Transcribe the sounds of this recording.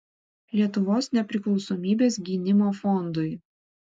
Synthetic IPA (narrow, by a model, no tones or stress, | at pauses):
lʲiɛt̪ʊʋoːsnʲɛpʲɾʲɪklˠɒʊsoːmʲiːbʲeːsɡʲiːnʲɪmoːfɔnd̪ʊɪ